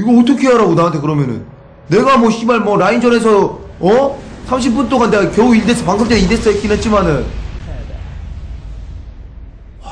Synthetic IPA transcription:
iɡʌːtʰʌkʰe̞ɦaɾaɡonaantʰe̞kɯɾʌmjʌnɯ̰nː | e̞ɡamwʌɕ͈imaɭmwʌɾaind͡ʑʌne̞s̬ʰʌ | ʌ | sʰamɕʰip͈unt͈oŋanːe̞ɡakjʌuiɭdes͈ɯpaŋsʰʌpt͡ɕeɾides͈aik͈inɦet̚t͡ɕ͈imanɯn

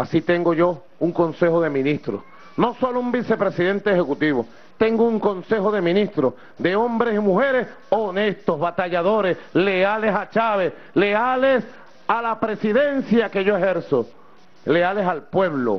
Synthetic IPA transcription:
asit̪e̞ŋɡo̞ʝo̞ | uŋko̞nse̞hoðe̞mĩnist̪ɾo̰ | no̞so̞loumbise̞pɾe̞siðe̞nt̪eːhe̞kut̪iβo | t̪e̞ŋɡouŋko̞nsehoðe̞mĩnist̪ɾo | ðe̞o̞mbɾe̞simuhe̞ɾe̞s | one̞st̪ozβat̪aʝaðo̞ɾesle̞ale̞sat͡ʃaβe̞s | le̞ales | alapɾe̞siðe̞nsjake̞ʝoeheɾso | le̞alesalpwe̞β̞lo̰

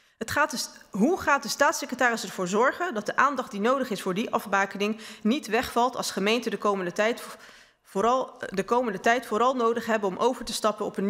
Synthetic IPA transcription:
ɦətχaːtɦuχaːt̚dəstaːtsɪkrətaːɾɪsɛɹvʊːɹzɔɹχəndɑt̚dəʔaːndɑχt̚dinowdəχɪsfʊːɹdiʔɑfbaːkənɪŋnitʋɛχfɑlˠtɑ̰lˠsχəmejntədəkowməndəɛ | dəkowməndətɛjtfʊːɾɑlˠnowdəχɦɛbəɔmʔowvəɹtəstɑpənɔpən

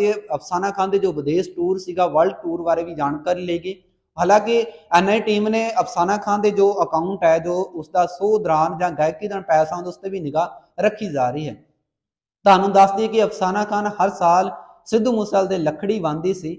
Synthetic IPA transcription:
eːəpʰsaːnãːkʰãːnd̪eːd͡ʒoːʋəd̪eːsʈuːɾsiːɡaːʋəlɖʈuːɾʋaːɾeːʋiːd͡ʒaːɳkəɾiːleiːɡiː | ɦaːlãːkɪɛːnaːiːʈiːmnẽːəpʰsaːnãːkʰãːnd̪eːd͡ʒoːəkaːʊ̃ɳʈɦɛːd͡ʒoːʊsd̪aːsoːd̪əɾaːnd͡ʒãːɡaːɪkːiːd̪aːnpɛːsãːd̪ʊst̪eːʋiːnɪɡaːɾəkʰːiːd͡ʒaːɾəiːɦɛ̰ː | t̪oɦaːnːũːd̪əsd̪ɪeːkɪəpʰsaːnãːkʰaːnhəɾsaːl | sɪd̪ːuːmʊsəːld̪eːləkʰɽiːʋãːnd̪iːsiː

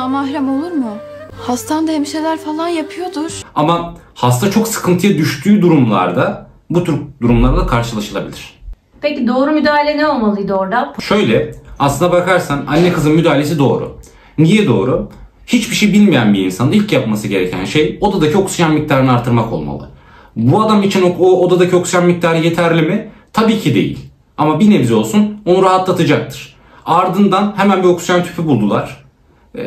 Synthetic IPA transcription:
amahɾæmo̞lˠuɾmʊhast̪ʰand̪ahemiʃejlʲæɾfalˠanjapʰɯjo̞d̪ʊɾ̥ama | hast̪at͡ʃʰo̞ksɯ̥kʰɯnt̪ʰɯjad̪yʃt̪ʰyːd̪uɾumlˠa̰ɾd̪a | but̪ʰyɾd̪uɾumlˠaɾd̪akʰaɾʃɯlˠaʃɯlˠabilʲiɾ̥ | pʰecid̪o̞ːɾumyd̪aːɦilʲɛnɛo̞lˠmalˠɯjd̪oɾd̪aʃø̞jlʲɛaslˠɯnd̪abakaɾsananːɛkɯzɯnmyd̪aːilʲe̞s̬id̪o̞ːɾʊ̰ | nijɛd̪o̞ːɾu | hit͡ʃbiʃejbilʲmijænbiinsanɯnilʲcjapmasɯɟe̞ɾe̞cʰæ̰nʃe̞jo̞d̪ad̪acʰio̞ksujanmic̚t̪ʰaɾɯnɯaɾt̪ʰɯɾmako̞̰lˠma̰lˠɯ̰ | buad̪amit͡ʃʰinood̪ad̪acʰio̞ksujanmic̚t̪ʰaːɾɯje̞t̪ʰæɾlʲimɪ | t̪ʰabiːcʰid̪e̞̰jḭlʲ | amabinevzio̞lˠsuno̞nuɾaɦat̪lˠat̪ʰɯd͡ʒak̚t̪ʰɯ̥ɾ̥ | aɾd̪ɯnd̪anhemænbio̞ksujant̪ʰy̥pʰybulˠd̪ulˠaɾ̥

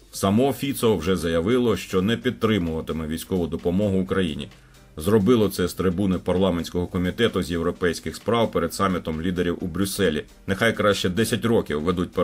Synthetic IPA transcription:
sɐmɔfʲit̪sɔɔwʒɛzɐjɐʋɪlˠɔʃt͡ʃɔnɛpʲid̪̚t̪ːɾɪmʊʋɐt̪ɪmɪʋʲijsʲkɔʋʊd̪ɔpɔmɔɦʊʊkɾɐjḭnʲḭ | zrɔbɪlˠɔt̪sɛst̪ɾɪbunɪpɐrlˠɑmenʲsʲkɔɦɔkɔmʲit̪ɛt̪ʊzʲjewɾɔpɛjsʲkɪxspɾɑwpeɾed̪sɑmʲːit̪ɔmlʲid̪eɾʲiwubɾʲʊsɛlʲi | nexɑjkɾɑʃt͡ʃɛd̪ɛsʲɐtʲrɔkʲiwʋɛd̪ut̚ʲp

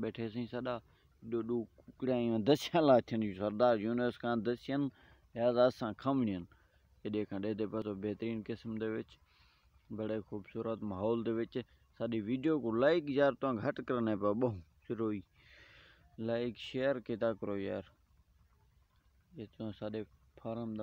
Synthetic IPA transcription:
ɓeːʈʰeːs̬ĩːsəɗaː | ɗoːɗuːkʊkɽjãːɪ̃ːãːd̪əsjãːlaːt̪ʰːənjusəɾd̪aːɾjuːnəskʰãːd̪əsɪjən | jaːzaːsãːkʰəmɳɪjən | jəɗẽːkʰãːɗeːd̪eːpət̪oːbeːt̪ɾiːnkɪsmd̪eːʋɪt͡ʃ | bəɽeːxʰuːbsuːɾət̪maːɦoːld̪eːʋɪt͡ʃ | saːɗiːʋiːɖijoːkõːlaːɪkzaːɾt̪ʊãːɡʱəʈkəɾneːpəɓəɦũːsɪɾoːiː | laːɪkʃeːəɾkeːt̪aːkəɾoːja̰ːɾ | jeːt̪ːsaːɗeː | pʰaːɾəm

